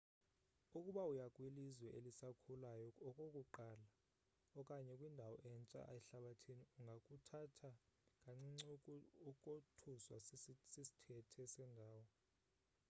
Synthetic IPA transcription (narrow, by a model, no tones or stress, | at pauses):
ukʼuɓaujakʼwilizwɛʔelisakʰulajɔɔkʼokʼuǃaːla | ɔkʼaɲɛkʼwindʱawɔʔɛnt͡sʼa̰ʔɛɬaɓatʰiniuŋɡʱakʼutʰatʰakʼaŋ͡ǀiŋ͡ǀʼukʼotʰuswasisi̥tʰɛtʰɛsɛndʱaːwɔ